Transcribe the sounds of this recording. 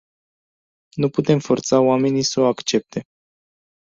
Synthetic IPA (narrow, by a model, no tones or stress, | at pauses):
nuput̪e̞mfo̞rt̪saoame̞nisəoakt͡ʃe̞p̚t̪ʰe̞